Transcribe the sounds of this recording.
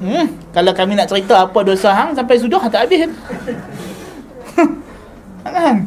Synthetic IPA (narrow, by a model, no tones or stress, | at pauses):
kalawkamĩnaʔt͡ʃəɾit̪aːpadosaɦaŋsampajs̬udɔhat̪aʔabɪɦan | aŋan